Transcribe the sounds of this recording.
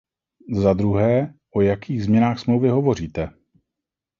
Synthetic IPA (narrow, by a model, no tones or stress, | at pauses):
zad̪ɾuɦɛːʔo̞jakʰiːɣzmɲɛnaːxsmlowvɪɦo̞vo̞riːt̪ɛ